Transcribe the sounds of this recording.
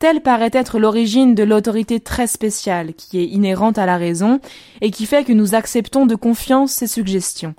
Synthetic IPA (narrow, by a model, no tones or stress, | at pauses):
t̪ɛlpaʁɛt̪ɛt̪χəlɔʁiʒind̪əlot̪ɔʁit̪et̪χɛspesjalkʲʰiɛineʁɑ̃t̪alaʁezɔ̃ | ekʲifɛkənuzaksɛpt̪ɔ̃d̪əkɔ̃fjɑ̃sːesyɡʒɛst̪jɔ̃